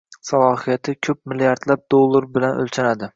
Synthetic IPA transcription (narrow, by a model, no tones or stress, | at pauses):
salˠɒɦijat̪ʰɪkʲʰɵp̚mɪlijaɾd̪lap̚d̪olˠːaɾbɪlanɵ̰lt͡ʃʰanad̪ɪ